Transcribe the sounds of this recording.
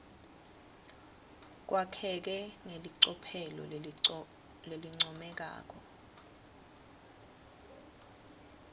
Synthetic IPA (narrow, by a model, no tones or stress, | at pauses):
k̬wʔakʰɛk̬ɛŋeliǀɔpʰɛlɔ̰ | leliŋ͡ǀɔmɛk̬a̰ːk̬ɔ